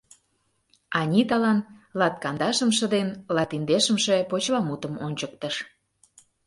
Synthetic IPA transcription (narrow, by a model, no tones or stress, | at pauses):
ɑnʲit̪ɑlɑnlɑt̪̚kɑnd̪ɑʃə̆mʃə̆d̪enlɑt̪ind̪eʃə̆mʃepot͡ɕlɑmut̪ə̆monʲt͡ɕək̚t̪əʃ